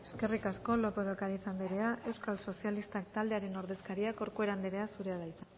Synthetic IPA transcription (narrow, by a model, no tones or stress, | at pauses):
e̞̥ske̞rikasko̞lo̞poðokaɾaisand̪iɾe̞aʔe̞wskalso̞sialist̪ak̚t̪ald̪e̞aɾe̞no̞ɾðe̞skaɾiako̞ɾkoe̞ɾand̪iɾe̞asuɾeaðaisa